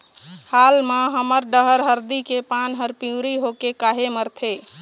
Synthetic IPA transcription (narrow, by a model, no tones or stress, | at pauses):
halmaɦəməɾɖəɦəɾɦəɾd̪ikepanɦəɾpiuɾiɦokekaɦeməɾt̪ʰe